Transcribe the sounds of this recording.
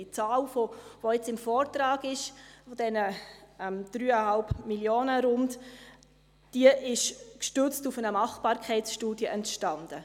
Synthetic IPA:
it͡sɑːlfovoɛt͡sɪmfɔːɾtɾɑːɡɪʃfɔd̥ɛnəɛmd̥ɾyːəhɑlpmiljoːnəɾʊnd | d̥iəʔɪʃkʃtʏt͡stufənəmɑχb̥ɑːɾkʰχɛɪtsʃtuːdjəʔɛntʃtɑnd̥ə

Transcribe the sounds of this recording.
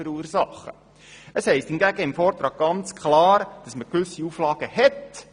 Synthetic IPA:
əɾuːəɾsɑχːə̰ | əshɛɪsthɪnɡæɡəɪmfɔːrt̪ɾɑːɡ̥̚ɡɑnt͡skʰχlɑːɾd̥ɑsməkʋʏsiuflɑːɡ̥əhɛt

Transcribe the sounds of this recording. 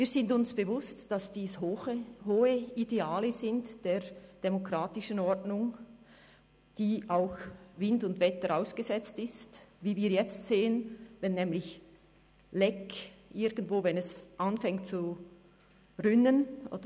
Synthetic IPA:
viːɐzɪntʊnsb̥əvʊstd̥asd̥iːshhoːəideaːləzɪntd̥eːd̥emokʁ̥aːtɪʃənɔɹdnʊŋ | d̥iːʔaʊxvɪndʊndvɛtəɾaʊsɡ̥əzɛt͡stɪstviːviːɐjɛt͡stseːənvɛnːɛːmlɪç | lɛkʔɪɡ̥n̩dv̥oːvɛnɛsʔanfɛŋtt͡su | rʏnənʔo̰ːdə

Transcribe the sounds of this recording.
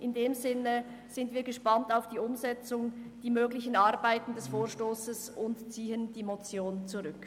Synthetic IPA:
ʔɪndeːmzɪnə | z̥ɪndv̥iːɐɡəʃpantaʊfd̥iːʊmzɛt͡sʊŋd̥iːmøːɡlɪçən̩aɐbaɪtn̩dɛsfoːʁʃtoːsəsʊntt͡siːəndiːmot͡sjoːnt͡suʁʏk

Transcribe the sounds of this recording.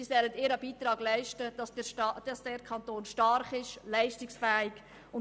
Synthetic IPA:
isɛlədɪːɾɑbiːt̪ɾɑːɡlɛɪʃtədɑsʃɑd̥ɑsd̥ɛɾkʰɑnt̪oːnʃtɑɾχɪʃlɛɪʃtɪksfæːɪɡ | ʊn

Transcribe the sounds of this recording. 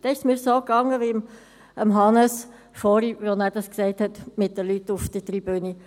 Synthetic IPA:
d̥ɛɪʃsmɪːɾsoːkɑŋːəʋiəm | əmɦɑnəs | fɔːɾiʋɔnæːɾdɑsksɛɪthɛt̪mɪt̚d̪əlytːufd̥̪ət̪ɾib̥øni

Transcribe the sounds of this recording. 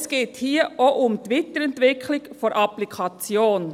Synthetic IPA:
sɡ̥eːt̪hiːəʔoʔʊmt̪ʋɪt̪əɾɛnt̪ʋɪkʰlɪɡfɔɾʔɑplikʰɑt͡sjoːn

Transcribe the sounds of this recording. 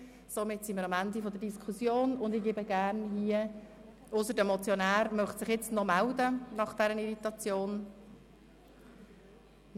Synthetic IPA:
somɪtsiməɾɑmændifɔd̪ədiskʰusjoːnʊnd̪ɪɡeːbəɡ̥æːɾnɦiːə | ʊsəɾdəmɔt͡sjɔnæːɾmœχtsɪχjɪt͡stnɔmældənɑχd̥ɛɾəniɾit̪ɑt͡sjoːn

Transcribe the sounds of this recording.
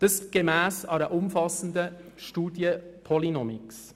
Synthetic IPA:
d̥əsɡ̥emæːsɑɾəʔʊmfɑsən̩d̪ə | ʃtuːdjəpʰɔlinɔmiks

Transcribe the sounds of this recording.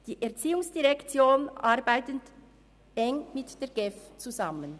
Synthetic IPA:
d̥iːʔɛɐʁt͡siːʊŋsd̥iʁɛkt͡sjoːnʔaɾbaɪtənt | ʔɛŋmɪtd̥eːɡɛft͡suzamən

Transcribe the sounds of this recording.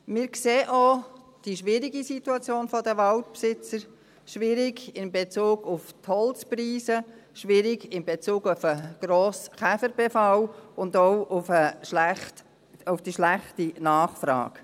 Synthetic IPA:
mɪːɾkseːʔo | d̥iʃʋɪɾiɡisituɑt͡sjoːnfɔdəʋɑltpsɪt͡səɾ | ʃʋɪɾiɡɪnbet͡suːɡʊfthɔlt͡spriːzəʃʋɪɾiɡɪmbet͡suːɡʊfəɡ̥ɾoːsχæfəɾb̥ɛfɑlʊndɔʊʊfəʃlæχt | ʊfd̥iʃlæχtinɑːχfɾɑ̰ːk

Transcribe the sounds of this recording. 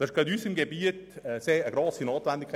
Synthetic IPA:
d̥̪ɑsɪʃɡ̥ɛt̪yːsɪmɡebiətːseːəɡɾoːsinoːt̪vɛnd̪ikʰː

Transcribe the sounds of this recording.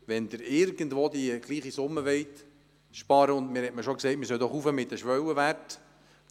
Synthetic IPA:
ʋɛnd̪ɪɾɪɾɡənd̪ʋoːd̪iɡ̥liːχisʊmːəʋɛɪt̪ | ʃpɑɾəʊndmɪɾhɛtməʃoksɛɪt̚mɪsœwd̥̪ɔχufəmɪt̪ːəʃʋœwəʋært

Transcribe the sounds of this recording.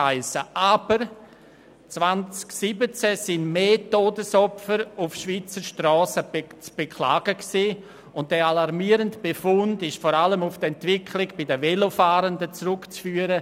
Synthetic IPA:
aɪsəʔab̥əɾ | t͡svant͡sksibət͡sɛsɪnmeːtoːdəsɔpfəɾufʃviːt͡səɾʃtrɔːsət͡sb̥ekʰla̰ːɡ̥əksiː | ʊnt̚dɛalaɾmiːɾəndb̥efʊndɪʃfɔːɾaləmʊfdɛntvɪkʰlɪɡb̥ɪdəvelofaːɾəndət͡sɾʊkt͡sfyːəɾə

